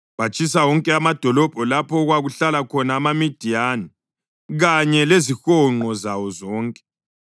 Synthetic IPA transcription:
βat͡ʃʰʼis̬awɔŋkʼɛamad̥ʱɔlɔb̥ʱɔlapʰɔɣwaɣuɬalakʰɔnaːmamid̥ʱijani | ɣaɲɛlezixɔŋ͡ǃɔzawɔzɔːŋkʼɛ̥

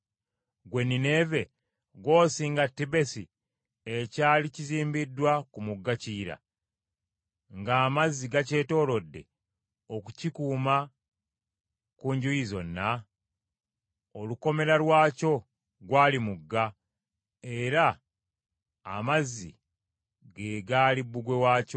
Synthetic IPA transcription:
ɡwe̞nːine̞ve̞ | ɡwo̞ːsiŋɡatːibe̞sḭ | ecaːliciziːmbidːwakumuɡːaciːɾa̰ | ŋɡaːmazːiɡace̞ːto̞ːlo̞dːe̞̰ | o̞kucikuːma | kuɲɟujizo̞̰nːa | oluko̞me̞ɾalwaːco̞ | ɡwaːlimuɡːa | e̞ɾa | mazːḭ | ɡeɡaːlibːuɡwe̞waːco

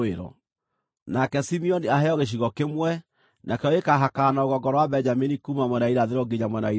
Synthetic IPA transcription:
eɾɔ̰ | nakɛsimiɔniaɦɛɔɣeɕ̬iɣɔkemwɛ | nakɛɔekaɦakanaoɣɔɡɔɾɔwabɛɲd͡ʒaminikuːmamwɛnaiɾaðeɾɔɡeɲamwɛnai

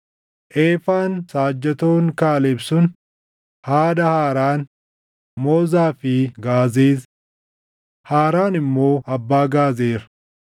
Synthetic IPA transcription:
ʔeːfaːnsaːd͡ʒːɐt̪o̞ːŋkaːlɛbsʊn | haːd̪ɐhaːɾaːn | mo̞ːzaːfɪɡaːzeːt | haːɾaːnɪmːo̞ːʔɐbːaːɡaːzeːɾɐ̥

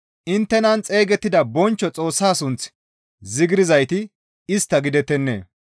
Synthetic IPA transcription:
ʔɪnt̪ːɛnɐnt͡sʼe̞ːɡɛt̪ːɪd̪ɐbɔnt͡ʃːɔt͡sʼo̞ːsːaːsʊnt͡s | zɪɡɪɾɪzɐjt̪ɪ | ɪst̪ːɐɡɪd̪ɛt̪ːɛnːḛː

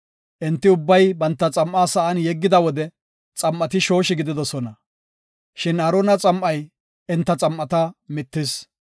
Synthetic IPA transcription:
ʔɪnt̪ːɪʊbːɐjbɐnt̪ːɐt͡sʼɐmʔaːsɐʔɐnjɛɡːɪd̪ɐwɔd̪ɛ | t͡sʼɐmʔɐt̪ɪʃo̞ːʃɪɡɪd̪ɪd̪ɔsɔnɐ | ʃɪnɐɾonɐt͡sʼɐmʔɐj | ɪnt̪ːɐt͡sʼɐmʔːɐt̪ɐmɪt̪ːɪs

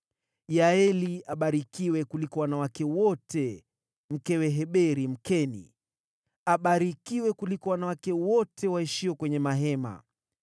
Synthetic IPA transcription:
jaɛliaɓaɾikiwɛkulikɔwanawakɛwɔtʰɛ | m̩kɛwɛɦɛɓɛɾim̩kɛnḭ | aɓaɾikiwɛkulikɔwanawakɛwɔtʰɛwaiʃiwɔkwɛɲɛmaɦɛma̰

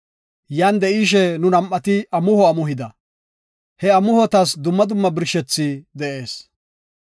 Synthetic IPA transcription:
jaːnd̪ɛʔiːʃ̬ɛnʊnɐmʔːɐt̪ɪɐmʊhɔɐmʊɦɪd̪ɐ | hɛɐmʊhɔt̪ɐsd̪ʊmːɐd̪ʊmːɐbɪɾʃɛt͡sːid̪ɛʔe̞ːs

